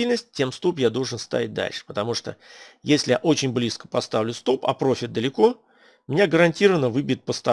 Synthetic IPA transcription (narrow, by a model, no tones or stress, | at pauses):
ilʲnəsʲt̚ʲtʲːe̞mst̪opjad̪o̞lˠʐɨnst̪a̰vʲɪt̚ʲd̪a̰lʲʂɨ̥pət̪ɐmuʂt̪o̰jesʲlʲɪja̰ʔo̞t͡ɕɪnʲblʲiskə̥pɐst̪avlʲʊst̪opɐ̰pɾo̞fʲɪt̪̚d̪əlʲɪko̞ | mʲɪnʲaɡəɾɐnʲtʲiɾəvənːəvɨbʲɪt̪̚pəst̪ɐ